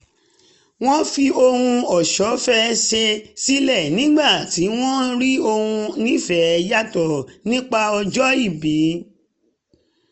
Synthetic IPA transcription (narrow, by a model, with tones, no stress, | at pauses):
w̃ɔ̃˦fi˧o˧hũ˧ɔ˨ʃɔ˨˦fɛ˦ʃe˧si˦lɛ˦˨nĩ˦ɡ͡ba˦˨ti˨˦w̃ɔ̃˦ɾi˦o˧hũ˧nĩ˦fɛ˨˦˧ja˦tɔ˨nĩ˦k͡pa˧ɔ˧d͡ʒɔ˦i˦˨bi˨˦